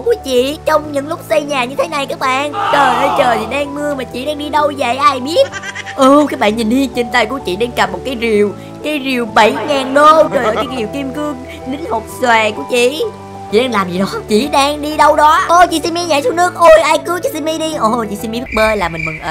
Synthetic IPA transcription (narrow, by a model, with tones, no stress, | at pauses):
ku˨˦ət͡ɕḭ˧˨t͡ɕɔ˧wŋ͡mɲɨ̰˧˥ŋlʊ˦˥k͡p̚sə˧jɲaː˨˩ɲɨ˧t̪ʰe˨˦na˨˩jkaː˦˥k̚ɓa̰ː˧˨nt͡ɕəː˨˩jnə˧jt͡ɕəː˨˩jt̪ʰi˨˩ɗaː˧ŋmɨ˧əmaː˨˩t͡ɕḭ˧˨ɗaː˧ŋɗi˧ɗə˧wzə̰˧˨jʔaː˧˩jɓi˦˥ət̚ʔɨː˧˩kaː˦˥k̚ɓa̰ː˧˨nɲï˨˩nhi˧ənt͡ɕi˨˩nt̪a˧˩jkṵ˧˥˦t͡ɕḭ˧˨ɗaː˧ŋka˨˩p̚mo˨˩t̚kaː˨˦jzi˨˩əw | kaː˨˦jzi˨˩əwɓə˧˩˦jɲaː˨˩nɗo˧t͡ɕəː˨˩jʔə̰ː˨˧˨kːɣi˨˩wki˧mkɨ˧əŋ | lï˨˦ŋ̟ho˨˩k͡p̚swɛː˨˩kṵ˧˥ət͡ɕḭ˧˨ | t͡ɕḭ˨˧˨ɗaː˧ŋlaː˨˩mzi˨˩ɗɔ˨˦t͡ɕḭ˧˨ɗaː˧ŋɗi˧ɗə˧wɗɔ˨˦ʔo˧˩t͡ɕḭ˧˨˦si˧mi˧ɲa̰ː˧˨jsu˧nɨ˦˥ək̚ʔo˧jʔaː˧jkɨ˨˦t͡ɕɔ˧˩si˧mi˧ɗi˧ʔo˧˩˧t͡ɕḭ˧˨si˧mi˧ɓɨ˦˥t̚ɓəː˧laː˨˩mï˨˩ŋ̟mɨ˨˩ŋʔəː˨˩